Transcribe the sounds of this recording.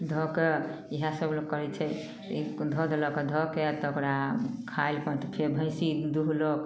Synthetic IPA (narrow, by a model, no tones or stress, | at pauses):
d̪ʱɔkeiɦasəblok̚kːəɾɛt͡ʃʰɛ | id̪ʱɔd̪ʱelɔked̪ʱɔket̪ɔokɾakʰaelpənt̪ɔpʰeɾbʱə̃j̃sid̪uɦlok